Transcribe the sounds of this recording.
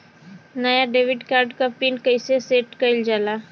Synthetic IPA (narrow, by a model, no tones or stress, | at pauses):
nɐjaɖeːʋɪɖkaːɾɖkapiːnkəiseseːʈkɐɪld͡ʒaːlaː